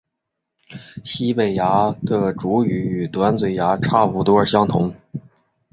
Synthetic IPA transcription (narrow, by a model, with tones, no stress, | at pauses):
ɕi˥pe˨˩ɪja˧˥d̪ə˥˩ʈ͡ʂu˧˥y˧˥y˨˩t̪wa˧˥nt͡swe˨˩ɪja˧˥ʈ͡ʂʰa˥˩pu˧˥˩t̪wɔ˥ə˞˧˩ɕjɑ˥ŋt̪ʰʊ̰˧˥ŋ